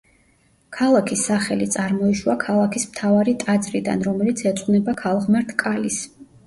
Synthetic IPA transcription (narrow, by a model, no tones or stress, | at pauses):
kʰalˠakʰisːaχɛlit̪sʼaɾmɔiʃwakʰalˠakʰismt̪ʰavaɾit̪ʼad̪zɾid̪a̰nɾɔmɛlit̪sʰɛt̪sʼqʼnɛbakʰalˠʁmɛɾt̪ʰkʼalis